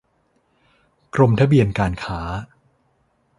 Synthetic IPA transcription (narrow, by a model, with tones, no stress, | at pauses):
kɾo˧mt̪ʰa˦˥bi˧ənkaː˧nkʰaː˦